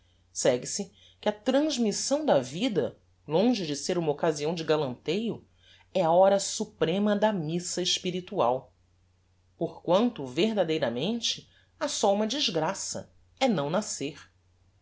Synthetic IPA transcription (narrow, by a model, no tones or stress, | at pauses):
sɛɡɪsɪ | kɪɐt̪ɾɐ̃ʒmisɐ̃w̃d̪ɐvid̪ɐ | lõʒɪd͡ʒɪseɾũmɐokaziɐ̃w̃d͡ʒɪɡalɐ̃nt̪ejʊ | ɛɐɔɾɐsupɾẽmɐd̪ɐmisɐeʃpiɾit̪uaw | poɾkwɐ̃nt̪ʊveɦd̪ad̪ejɾɐmẽnt͡ʃɪ | ɐsɔũmɐd͡ʒiʒɡɾasɐ̰ | ɛnɐ̃w̃naseɾ